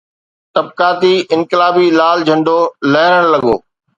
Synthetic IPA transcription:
t̪ɐb̚kaːt̪iʔɪ̃nkɪlaːbilaːld͡ʒʱɐ̃ɳɖoːlɐɦɪəɽ̃lɐɠo̰ː

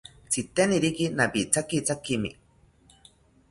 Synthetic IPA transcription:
t͡sit̪eniɾikinapit͡sakit͡sakimḭ

